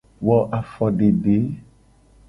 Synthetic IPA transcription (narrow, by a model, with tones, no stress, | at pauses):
wɔ˨ʔa˨fɔ˨ɖe˨ɖe˨˦